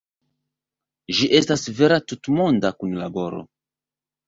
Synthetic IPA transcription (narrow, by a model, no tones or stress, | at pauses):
ʒiʔe̞stasve̞ɾatutmo̞ndakunlabo̞ɾo̞̰